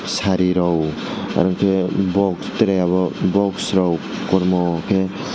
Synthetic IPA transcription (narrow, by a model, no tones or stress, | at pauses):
saɾiɾɔw | a̰ɾɔŋkʰebɔkst̪ɾeaβɔbɔksɾɔwkɔɾmɔkʰe